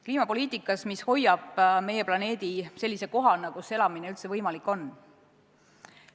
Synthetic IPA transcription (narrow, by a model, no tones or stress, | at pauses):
kliːmɑpo̞lʲiːt̪ˑikːˑɑsmisho̞jːɑb̥me̞je̞plɑne̞ːd̪̥ise̞lʲːise̞ko̞ɦɑnɑkuse̞lɑmine̞ylt̪se̞vɤjmɑlikːˑo̞nː